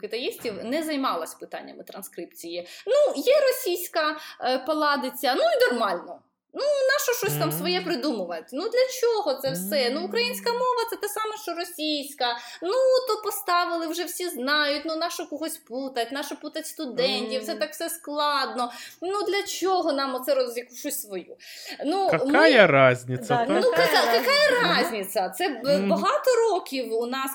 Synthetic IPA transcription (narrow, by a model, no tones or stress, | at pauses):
kɪt̪ɐjisʲtʲiwnɛzɐjmɑlˠɐsʲpɪt̪ɑ̰nʲːɐ̰mɪt̪ɾɐnskɾɪp̚t͡sʲijinujɛɾɔsʲijsʲkɐpɐlˠɑd̪ɪt͡sʲɐnuinɔrmɑlʲnɔ | nunɑʃɔʃt͡ʃɔsʲt̪ɑmsʋɔjɛpɾɪd̪umʊʋɐt̪ʲnud̪lʲɐt͡ʃɔɦɔt̪sɛwsɛnuʊkɾɐjinʲsʲkɐmɔʋɐt̪sɛt̪ɛsɑmɛʃt͡ʃɔɾɔsʲijsʲkɐnut̪ɔpɔst̪ɑʋɪlˠɪwʒɛwsʲiznɑjʊtʲnunɑʃɔkɔɦɔsʲput̪ɐtʲnɑʃɔput̪ɐtʲst̪ʊd̪ɛnʲtʲiwt̪sɛt̪ɑkfsɛsklˠɑd̪nɔnud̪lʲɐt͡ʃɔɦɔnɑmɔt̪sɛɾɔjɐkʊt͡ʃɔsʲsʋɔjunumjɐɾɑzʲnʲiɐnukɐkakɐkɑjɐɾɑzʲnʲit̪sʲɐt̪sɛbɐɦɑt̪ɔɾɔkʲiwunɑs